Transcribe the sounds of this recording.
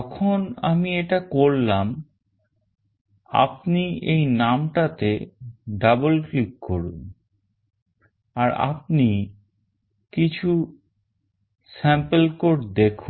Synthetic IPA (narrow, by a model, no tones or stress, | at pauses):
ɔkʰonamieʈakoɾlam | a̰p̚niejnamʈat̪eɖabolklikːoɾṵn | aɾa̰p̚ni | kit͡ɕʰu | sɛmpelkoʈd̪ekʰun